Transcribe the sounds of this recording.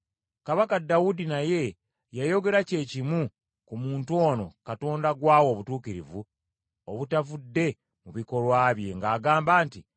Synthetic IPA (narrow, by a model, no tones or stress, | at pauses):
kaβakadawudinaje̞ | jajo̞ɡe̞ɾace̞ːcimu | kumuːntwo̞ːno̞̰kato̞ːndaɡwaːwo̞ːβutuːkiɾḭvu | oβutavudːe̞ | muβiko̞lwaːβje̞ŋɡaːɡaːmbaːnti